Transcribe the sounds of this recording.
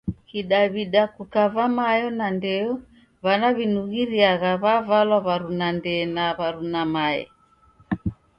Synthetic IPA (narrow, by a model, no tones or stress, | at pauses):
kiɗaβiɗakukavamajɔnandɛɔ | βanaβinuɣiɾiaɣaβavalwaβaɾunandɛnaβaɾunamaɛ̰